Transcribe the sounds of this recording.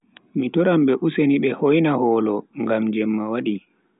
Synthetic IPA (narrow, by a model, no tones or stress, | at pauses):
mitɔɾamɓɛʔuseniɓɛhojnahɔːlɔŋɡamd͡ʒɛmːawaɗi